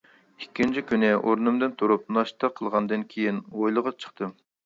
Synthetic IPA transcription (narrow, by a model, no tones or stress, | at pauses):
ikʲːint͡ʃʰikʲynɪoɾnɨmd̪ɨnt̪ʰuɾup̚nɑʃt̪ɑqʰːəlˠʁɑnd̪ɨnkʲʰejinojlˠəʁɑt͡ʃʰə̥χt̪ʰɨm